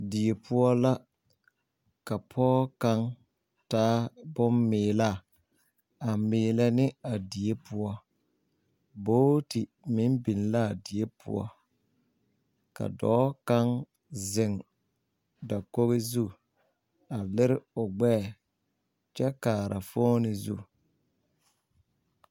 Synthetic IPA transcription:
di˨e˨pʰʊ˦ɔ˦la˦ | ka˨pʰɔː˦ka˦ŋ | taː˦bʊ˦mːɪː˨la˦˨ | a˨mɪː˨lɛ˦nɪ˦a˨di˨e˦pʰʊ̰˦ɔ˦ | boː˦tɪ˨ | mɪ˨˦nbi˨nla˦˨di˨e˦pʰɔ˦ | ka̰˨dɔ̰ː˦ka˦ŋ | zɪ˨ŋ | da˨ko˦ɣe˦zu˦ | a˨lɪ˦ɾɪ˦ʊ˨ɡ͡bɛː˦˨ | t͡ʃɛ˦kaː˨ɾa˨foː˦nɪ˨zṵ˦˨

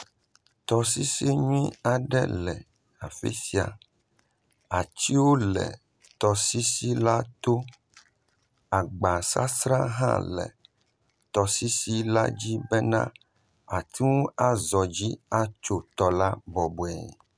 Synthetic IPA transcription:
t̪ɔ˨si˦si˦ɲũ˦ĩ˦a˨ɖɛ̰˦lɛ˨ | a˨fḛ˦si˨˦a̰˨ | a˨t͡ɕi˦wo˦lɛ̰˨ | t̪ɔ˨si˦si˦la˦t̪o˦ | a˨ɡ͡ba˨sa̰˦sɾã˦ɦã̰˦lɛ̰˨ | t̪ɔ˨si˦si˦la˦d͡ʑi˦bɛ˦nã̰˦ | a˨t̪ʰi˦wũ˦a˦zɔ˨d͡ʑi˦a˦t͡ʃo˦t̪ɔ˨la˦bɔ˨bo˨ɛ̰˨

